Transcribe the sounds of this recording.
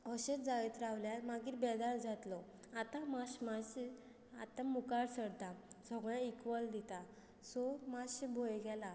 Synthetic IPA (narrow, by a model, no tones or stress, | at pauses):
ɔɕet͡sd͡zajt̪ɾawljalmaɡiːɾbɛd̪aɭd͡zat̪lɔat̪amaɕmaɕ | at̪amukaɽsəɽd̪asɔɡɭ̃ãikʋəld̪it̪a | sɔmasebʱojɡɛla